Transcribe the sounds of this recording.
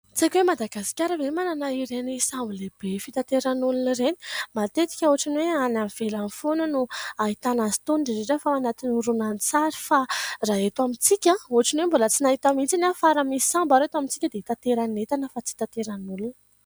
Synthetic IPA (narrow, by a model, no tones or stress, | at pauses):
t͡sekʲwemad̪aɡasi̥kʲaɾəvemananaiɾenisambleb̥efit̪at̪eɾanulunreni̥mat̪et̪i̥kʲəuɦaʈ͡ʂanweananv̥elanifonənuait̪anazi̥t̪unɳɖ͡ʐiɾeʈ͡ʂafaanat̪inuɾunant͡saɾifaraɦet̪wamit͡sikʲãoaʈ͡ʂinwembolət͡sinaɦit̪amint͡sinafaɾamisi̥sambaɾet̪wamint͡si̥kʲəd̪et̪at̪eɾanet̪anəfat͡si̥t̪at̪eɾanulunə̥